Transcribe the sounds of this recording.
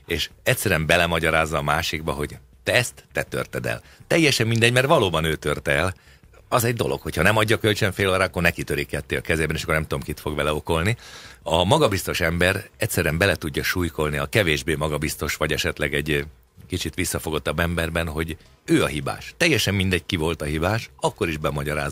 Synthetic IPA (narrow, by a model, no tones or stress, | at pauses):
eːʃɛcʲsɛɾɛmbɛlɛmɒɟɒɾaːzːɒːmaːʃiɡbɒɦo̞ɟ | t̪ɛɛst̪ːɛt̪ø̰rt̪ɛd̪ɛ̰lt̪ɛjːɛʃɛmmind̪ɛɟmɛrt̪ʋɒloːbɒnøːt̪ørt̪ɛɛl | ɒzɛɟd̪o̞lʔo̞̰kho̞cʰhɒnɛmɒɟːɒkølt͡ʃøɱfeːloːɾaːɒkːornɛkit̪øɾikɛt̪ːeːɒkɛzeːbɛneːʃɒkːornɛmt̪ud̪omkit̪fo̞ɡʋɛlɛo̞ko̞lniɒmɒɡɒbist̪o̞ʃɛmbɛɾɛcʲsɛɾyɛmbɛlɛt̪uɟːɒʃuːjko̞lniɒkɛveːʒbeːmɒɡɒbist̪o̞ʃʋɒɟɛʃɛt̪lɛɡɛɟ | kit͡ʃit̪ʋisːɒfo̞ɡot̪ːɒbːɛmbɛrbɛnɦo̞ɟ | øːɒɦiba̰ːʃt̪ɛjːɛʃɛmːind̪ɛckivo̞lt̪ɒɦibaːʃɒkːo̞ɾiʒbɛmɒɟɒɾa̰ːz